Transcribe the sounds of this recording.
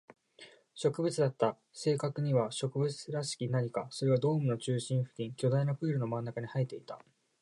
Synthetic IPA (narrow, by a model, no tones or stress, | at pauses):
ɕo̞kɯ̟bɯ̟t͡sɨd̪at̪ːa | se̞ːkakɯ̟ɲ̟iβaɕo̞kɯ̟bɯ̟t͡sɨɾasɨ̥kʲinaɲ̟ikaso̞ɾe̞βad̪o̞ːmɯ̟no̞t͡ɕɨːɕĩɰ̃ɸɯ̟̥kʲĩŋkʲo̞d̪ainoɸɯ̟ːɾɯ̟no̞mãnːakaɲ̟ihait̪ːe̞it̪a